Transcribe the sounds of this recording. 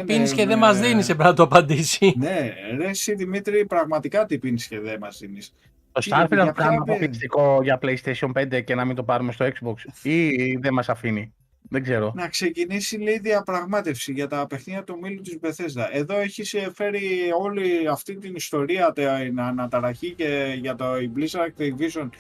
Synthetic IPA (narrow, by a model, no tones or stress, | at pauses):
pinisceðemɐzðinisepɾinɐt̪oɐpɐnd̪isine̞ɾe̞siðimit̪ɾipɾɐɣmɐt̪ikɐt̪ipinisce̞ðe̞mɐzðinis | t̪osɐɾfiɾkɐniɐpoist̪iko̞ʝɐpleist̪esio̞npe̞nd̪e̞ce̞nɐmint̪o̞pɐɾume̞st̪o̞ekszboksiðemɐsɐfini | ðe̞ɡze̞ɾo̞nɐkse̞cinisiliːðiɐpɾɐɣmɐt̪e̞fsiʝɐt̪ɐpe̞xniɐt̪umilut̪izbe̞θe̞zd̪ɐʔe̞ðo̞e̞çisefe̞ɾio̞liɐft̪int̪inist̪o̞ɾiɐt̪nɐnɐt̪ɐɾɐçiceʝɐt̪oiblisɐɾɐk̚t̪iviso̞n